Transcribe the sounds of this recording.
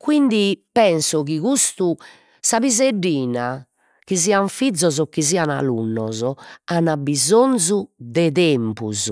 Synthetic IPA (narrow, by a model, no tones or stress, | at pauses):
kwind̪ipɛnsɔɣiɣust̪u | saβizeɖːiːna | kiziːaɱfid̪zːɔzɔkːiziːana̰lṵnːɔzɔanabizonzud̪ɛðɛmpṵz